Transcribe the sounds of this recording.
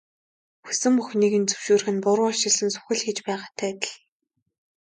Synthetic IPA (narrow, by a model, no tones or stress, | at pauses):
xu̥sɘ̆mpuxniːɣɘ̆nt͡sɵ̥wʃuːrxɘ̆npʊɾʊɔʃɪ̆ɮsɘ̆nsʊ̥xɘ̆ɮxit͡ɕpæːʁaːt̪ʰæːt̪ə̥̆ɮ